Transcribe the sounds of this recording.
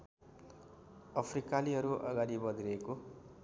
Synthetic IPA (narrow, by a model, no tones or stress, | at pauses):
ʌpʰrikaliɦʌɾuʔʌ̰ɡaɾibʌd̪ʱiɾʌeko